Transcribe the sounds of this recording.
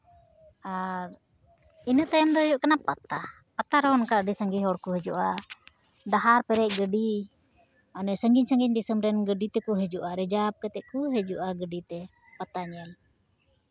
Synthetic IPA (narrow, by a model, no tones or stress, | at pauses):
a | inət̪ajamd̪ɔɦəd͡ʒuʔkanapat̪a | pat̪aɾɔɦɔnkaʔdisəŋɡiɦɔɾkuɦəd͡ʒuʔa | daɦaɾpɛɾɛʔ̚ɡəɖi | anɛsəŋɡiɲsəŋɡiɲd̪isəmɾɛnɡəɖit̪ɛkuɦəd͡ʒuʔaɾɛd͡ʒap̚kət̪ɛʔkuɦəd͡ʒuʔaɡəɖit̪ɛ | pat̪aɲɛl